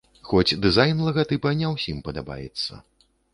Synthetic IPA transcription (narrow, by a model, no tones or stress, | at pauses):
xɔt͡sʲd̪ɨzajnlˠɐɣat̪ɨpɐnʲɛwsʲimpɐd̪aba̰jɛ̰t̪sːɐ̰